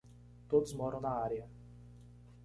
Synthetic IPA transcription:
t̪ut̪smɔɾɔnaːɾija

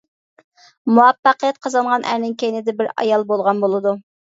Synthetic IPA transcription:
muɑpːɑqijɛt̪̚qʰɑzɑɴʁɑnʔæ̰ɾnɪŋkʲʰejnɪd̪ɪbɪɾɑ̰jɑlˠbolˠʁɑnbolˠɨd̪u

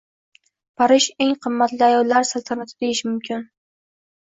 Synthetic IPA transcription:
pʰaɾɪʃe̞ŋqʰɨmːat̪lɪajɒlːaɾsalˠt̪ʰanat̪ʰɪd̪ejɪʃmʊmkʲʰɪn

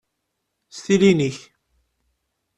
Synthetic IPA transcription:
st̪iliniç

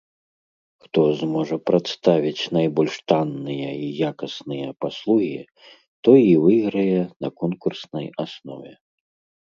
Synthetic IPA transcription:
xt̪ɔzmɔʐɐpɾat̪st̪avʲit͡sʲnajbɔlʲʂt̪anːɨjɐijakɐsnɨjɐpaslˠuɣʲi | t̪ɔivɨɣɾɨjɛnɐkɔnkursnɐjasnɔ̰vʲɛ

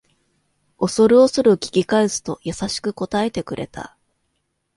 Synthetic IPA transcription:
o̞so̞ɾɯ̟o̞sɨɾɯ̟kʲi̥kʲikaesɨ̥t̪o̞jasaɕi̥kɯ̟ko̞t̪ae̞t̪e̞kɯ̟ɾʔe̞̰t̪ʰa̰

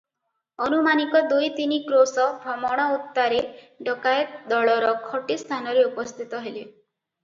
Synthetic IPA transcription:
ɔnumanikɔd̪ujt̪inikɾosɔbʱɾɔmɔɽ̃ɔut̪ːaɾe | ɖɔkajd̪ɔɭɔɾɔkʰɔʈist̪ʰanɔɾeupɔst̪ʰit̪ɔɦeli

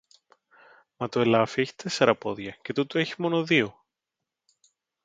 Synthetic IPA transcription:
mɐt̪oelɐfieçi̥t̪e̞se̞ɾɐpo̞ðʝɐce̞t̪ut̪oe̞çi̥mo̞no̞ðio

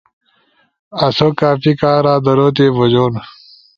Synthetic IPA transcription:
ɐsokaːfikaːɾaːd̪ɐɾoːt̪̬eːbod͡ʑoːn

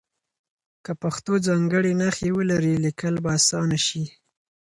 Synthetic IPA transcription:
kəpaxt̪od͡zɑŋɡəɽenaxewəlaɾilikəlbaasɑnaʃi

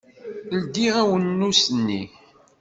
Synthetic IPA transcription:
ld̪iʁæwənːusənːḭ

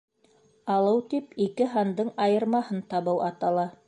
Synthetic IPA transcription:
ɑlˠɤwt̪ipikɘɦɑnd̪ɤɴɑjɤ̆ɾmɑhɤnt̪ɑβɤwʔɑt̪ɑlˠɑ

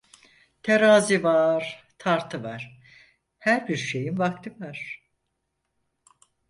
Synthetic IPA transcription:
t̪ʰeɾaːzivaɾ̥ | t̪ʰaɾt̪ʰɯvaɾ̥ | hæɾbiɾʃe̞jinvak̚t̪ʰɯvaɾ̥

